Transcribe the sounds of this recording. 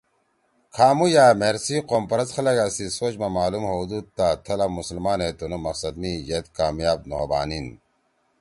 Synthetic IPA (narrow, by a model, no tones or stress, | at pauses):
kʰaːmujaːmeɾsiqoːmpɐɾɐzxʰɐlɐɡasisoːt͡ɕmamaːlumɦod̪uːd̪̚t̪at̪ʰɐlɐbmuslmaːnet̪onumɐqsɐd̪mijet̪kaːmjaːb̚no̰ːba̰ːnin